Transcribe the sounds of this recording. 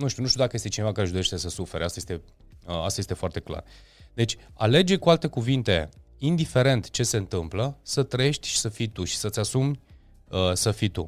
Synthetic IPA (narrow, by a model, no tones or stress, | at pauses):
nuʃt̪iunut̪ʲud̪akəjest̪et͡ʃinevakaɾe̞ʒd̪o̞ɾeʃt̪e̞səsufe̞ɾeast̪ajest̪e̞ | əast̪ajest̪e̞foart̪e̞kla̰r | d̪e̞t͡ʃʲa̰le̞d͡ʒekualt̪e̞kuvint̪e̞ | ind̪ife̞ɾe̞nt̪t͡ʃe̞se̞ɨnt̪ɨmpləsət̪ɾəjeʃt̪ʲʃi̥səfijt̪uʃi̥sət̪sʲasum | əsəfit̪ṵ